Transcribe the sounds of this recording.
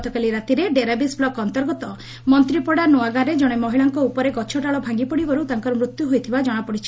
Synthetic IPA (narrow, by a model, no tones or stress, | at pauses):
t̪ɔkaliɾat̪iɾeɖeɾabisblɔkɔnt̪ɔɾɡɔt̪ɔ | mɔnt̪ɾipɔɽanoaɡaɾed͡ʒɔɽ̃emɔɦiɭaŋkɔupɔɾeɡɔt͡ʃʰɔʈaɭɔbʱaŋɡipɔɽibɔɾut̪aŋkɔɾɔmɾut̪juɦojt̪ʰibad͡ʒɔɽ̃apɔɽit͡ʃʰi̥